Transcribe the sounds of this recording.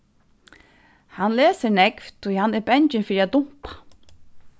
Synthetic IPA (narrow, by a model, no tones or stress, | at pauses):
hanleːsəɾnɛkvt̪ʰːujhanːæɾbɛnt͡ʃɪnfiːɾiaʊm̥pḁ